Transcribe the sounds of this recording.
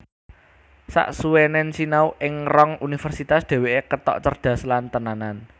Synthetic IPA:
sa̰ʔsuwenɛnsinauʔɪŋrɔŋunifərsit̪asd̪̥e̤weʔekət̪ɔ̰ʔt͡ʃərd̪̥ä̤slant̪ənanan

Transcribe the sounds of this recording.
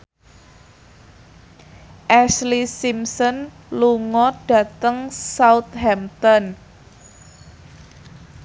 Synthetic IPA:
ʔɛslisimsɔn | luŋɔɖ̥ä̤t̪əŋsaʊt̪̚hɛmt̪ɔn

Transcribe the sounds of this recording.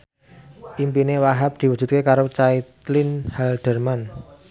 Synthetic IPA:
ʔimpinewaɦap̚d̪̥i̤wud̥d͡ʒʒ̥ṳt̪̚kekaɾot͡ʃait̪lɪnhɛld̪̥ə̤rman

